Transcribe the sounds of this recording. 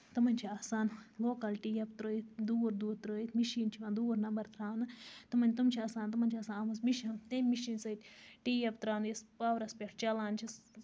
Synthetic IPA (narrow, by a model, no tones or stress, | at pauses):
t̪ɐmɐnʲt͡ʃʰiaːsaːnloːkɐlʈiːjɐp̚t̪ɾoːjit̪̚ʰd̪uːɾd̪uːd̪̚t̪ɾoːjit̪ʰmiʃiːnt͡ʃʰiʋãːnd̪uːɾnɐbɐɾt̪ɾaːnɨt̪ɐmɐnʲt̪umt͡ʃʰiaːsaːnt̪ɐmɐnʲt͡ʃʰiaːsaːnɐmɐsmiʃɐnt̪emmiʃiːnsɐt̪ʲʈiːjept̪ɾaːnjispaːʋɾɐspʲeʈʰt͡ʃɐlaːnt͡ʃʰis